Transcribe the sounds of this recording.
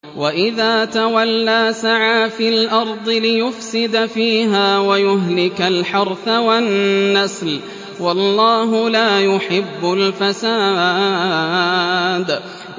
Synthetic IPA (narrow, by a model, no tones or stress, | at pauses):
waʔɪðaːt̪awalːaːsaʕaːfiːlʔɑɾˤd̪ˤɨlɪjʊfsɪd̪fiːɦaːwajʊɦlɪkalħɑɾˤθawanːasl | wɑlˤːɑːɦʊlaːjʊħɪbːʊlfasaː | d̪